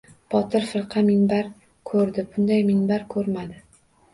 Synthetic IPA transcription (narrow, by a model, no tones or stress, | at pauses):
b̥ɒt̪ʰɪɾfɪɾqʰɑmɪŋbaɾ | kʰɵɾd̪ɪbʊnd̪ajmɪŋbaɾkʰɵɾmad̪ɪ